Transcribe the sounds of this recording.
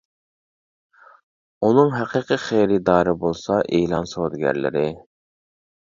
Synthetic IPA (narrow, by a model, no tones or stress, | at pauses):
unɨŋɦæqʰiqʰiχejɾɪd̪ɑːɾɨbolˠsɑʔeːlˠɑnsod̪ɡʲæ̰ɾlɪ̰ɾɪ